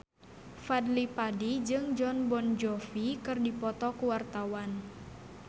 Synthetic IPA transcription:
fadlipadid͡ʒɨŋd͡ʒɔnbɔnd͡ʒɔfikɨrdipɔt̪ɔkuwart̪awan

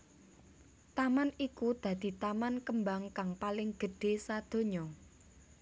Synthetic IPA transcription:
t̪amanikud̪̥ä̤d̪̥i̤t̪amankəmbaŋkaŋpalɪŋɡ̥ə̤ɖ̥e̤sad̪̥o̤ɲɔ

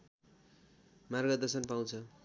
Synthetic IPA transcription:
marɡʌd̪ʌsʌnpaw̃t͡sʰʌ

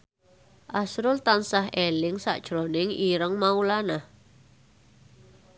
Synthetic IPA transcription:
ʔasɾʊlt̪ansaɦelɪŋsa̰ʔd̥ʒ̥ɾonɪŋiɾəŋmaulanah

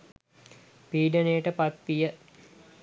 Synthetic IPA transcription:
piːɖənejəʈəpat̪̚pijə

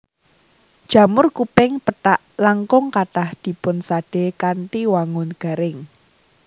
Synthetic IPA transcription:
d̥ʒ̥a̤mʊrkupɪŋpətaʔlaŋkʊŋkaʈahd̪̥i̤pʊnsaɖ̥ekanʈiwaŋʊnɡ̥a̤ɾɪŋ

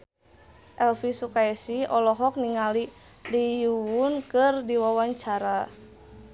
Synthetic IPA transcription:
ʔɛlfisukaɛsiɔlɔɦɔk̚niŋali | lijuwunkɨrdiwawaɲt͡ʃaɾa

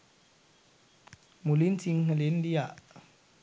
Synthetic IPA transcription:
mulintʰiŋhalendia

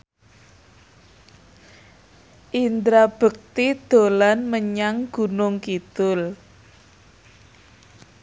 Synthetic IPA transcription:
ʔind̪ɾab̥ə̤k̚t̪id̪̥o̤lanməɲaŋɡ̥ṳnʊŋkid̪̥ʊl

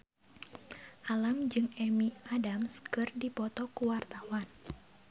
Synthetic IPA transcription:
ʔalamd͡ʒɨŋɛmiadamskɨrdipɔt̪ɔkuwart̪awan

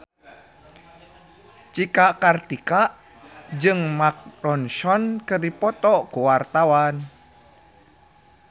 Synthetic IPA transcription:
t͡ʃikaʔkart̪ikaʔ | d͡ʒɨŋmak̚ɾɔnsɔnkərdipɔt̪ɔʔkuwart̪awan

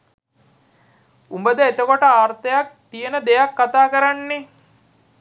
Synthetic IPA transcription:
umbəd̪əet̪əkoʈəaːrt̪əjak̚t̪ijənəd̪ejakːat̪aːkəɾanːe

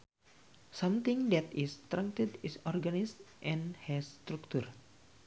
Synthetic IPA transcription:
sʌ̃mt̪ĩŋd̪ɛt̪ist̪ɾãŋk̚t̪ədisɔrɡanistʔɛ̃nhɛst̪ɾuk̚t̪ur

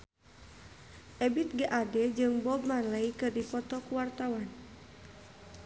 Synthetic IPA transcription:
ʔɛbit̪̚ɡaʔadɛd͡ʒɨŋbɔb̚manləikɨrdipɔt̪ɔkuwart̪awan

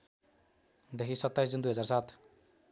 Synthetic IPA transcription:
d̪ekʰisʌt̪ːajsd͡zund̪ujɦʌd͡zarsat̪ʰ

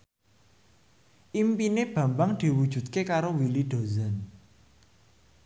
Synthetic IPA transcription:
ʔimpineb̥ä̤mbaŋd̪̥i̤wud̥ʒ̥ṳt̪̚kekaɾowilid̪̥o̤zan

